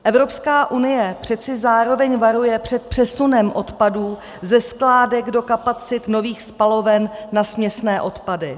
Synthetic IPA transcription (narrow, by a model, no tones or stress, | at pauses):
ʔɛvɾo̞pskaːʔunɪjɛpr̝̥ɛt͡sɪzaːɾo̞vɛɲvaɾujɛpr̝̥ɛt̪̚pr̝̥ɛsunɛmʔo̞t̪paduː | zɛsklaːdɛɡdo̞kapat͡sɪt̪no̞viːxspalo̞vɛnːasmɲɛsnɛːʔo̞t̪padɪ